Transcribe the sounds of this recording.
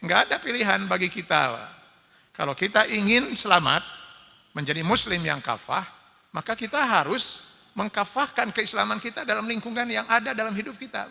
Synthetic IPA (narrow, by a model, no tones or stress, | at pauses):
ŋɡaːdapiliɦanbaɡikit̪a̰a̰ | ka̰lawkit̪aʔiŋɪnsəlama̰t̪̚ | məɲd͡ʒadimuslɪmja̰ŋka̰fa̰h | makakit̪aɦaɾʊs | məŋkafahkankəislamankit̪adalamliŋkuŋanjaŋadadalamɦidʊp̚kit̪a̰